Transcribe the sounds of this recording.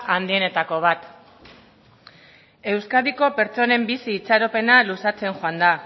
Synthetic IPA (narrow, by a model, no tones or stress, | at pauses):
and̪ie̞ne̞t̪ako̞β̞at̪ | e̞wskaðiko̞pe̞ɾt͡so̞ne̞mbisiːt͡saɾope̞nalusat͡se̞ŋʝoand̪a